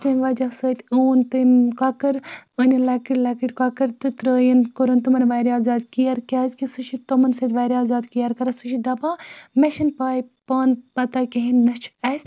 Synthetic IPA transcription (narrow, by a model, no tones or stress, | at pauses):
t̪ɐmʋad͡ʒasəːt̪ʰʲuːnt̪ɨmkaːkɐɾənʲilakiɽʲlakiʈʲkaːkɐɾt̪ɨt̪ɾəːjɐnkoɾɐnt̪umɐnʋaːjɾiaːzaːd̪kijaɾkʲaːzʲkisɨʃʰit̪omɐnsɐt̪ʋaːɾiaːzaːd̪kijɐɾkɐɾɐsuʃid̪ɐbaːmeʃɐnpaːjpaːnpɐt̪aːkeɦinːɐt͡ʃʰɐsʲ